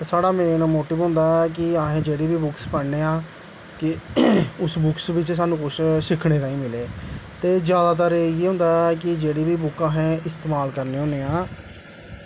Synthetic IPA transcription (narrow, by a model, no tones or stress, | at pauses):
saːɽaːmẽːnmoːʈɪːʋɦʊ̃ːnd̪aːɛkɪaːɦẽːd͡ʒeːɽiːbiːbʊkspəneːãː | kɪʊsbʊksʋɪt͡ʃs̬aːnũːkʊʃsɪkʰɽeːt̪ãːĩːmɪleːt̪eːzjaːd̪aːt̪əɾeːɦʊ̃ːnd̪aːɛkɪd͡ʒeːɽiːbiːbʊkːãːɦɛ̃ːɪst̪eːmaːlkəɾneːɦõːneːãː